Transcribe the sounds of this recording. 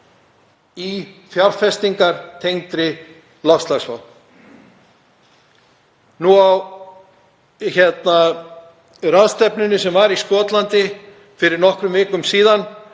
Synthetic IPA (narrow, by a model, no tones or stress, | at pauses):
ifjaɾ̥fɛst̪iŋkaɾ̥t̪ʰejŋt̪ɾɪ | lafst̪laɣsva̰w̪ | nuaw | çɛt̪na | raðst̪ɛpnʏnʏsɛmvaɾiskɔːt̪lant̪ɪ | fɪɾɪɾnɔhkɾʏmvɪːklʏmsiːðan